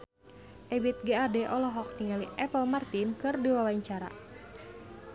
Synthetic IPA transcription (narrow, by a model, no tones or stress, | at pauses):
ʔɛbit̪̚ɡɛadɛʔɔlɔɦɔk̚t̪iŋaliʔɛpəlmart̪inkɨrdiwawaɲt͡ʃaɾa̰